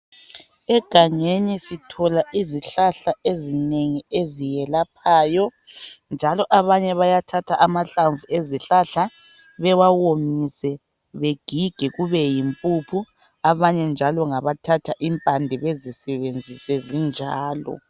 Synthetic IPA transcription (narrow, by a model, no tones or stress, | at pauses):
ɛɡ̥ʱaŋenisitʰɔlaʔiziɬaɬaʔezineŋiezijɛlapʰaːjɔ | nd͡ʒʱalɔʔaβaɲɛβajatʰatʰaʔamaɬaɱvuʔeziɬaɬa | βɛwawomisɛ | βeɡ̥ʱiɡ̥ʱɛɣuβɛjimpʼupʰu | aβaɲɛnd͡ʒʱalɔŋaβatʰatʰaʔimpʼandʱiβezisɛβend͡zʱisɛzind͡ʒʱaːlɔ̰